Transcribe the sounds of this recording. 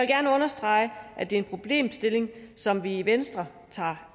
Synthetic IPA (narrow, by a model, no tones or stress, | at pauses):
elɡ̥æɐnəɔ̽nɐsd̥ʁɑ̈ɪ̰əʔæd̥e̝ɐe̝npʰʁo̝b̥le̝̰ːmsd̥e̝le̝ŋsɒ̽mʋiːʋensd̥ʁɐ | t͡sʰɑ̰̈ː